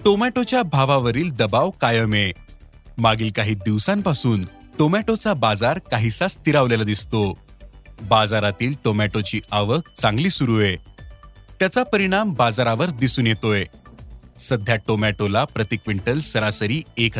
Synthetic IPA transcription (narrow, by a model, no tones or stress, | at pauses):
ʈomæʈot͡ɕjabʱaʋaʋəɾiːld̪əbaʋkajəme | maɡiːlkaɦiːd̪iʋsãmpasuːn | ʈomæʈot͡sabad͡zaɾkaɦisast̪iɾaʋlelad̪ist̪o | bad͡zaɾat̪iːlʈomæʈot͡ɕiːaʋək̚ʰt͡sãŋɡliːsuɾue | t̪jat͡sapəɾiɽ̃ambad͡zaɾaʋəɾd̪isuːnjet̪oe | səd̪ʱjaʈomæʈolapɾət̪ikʋiɳʈəlsəɾasəɾiːek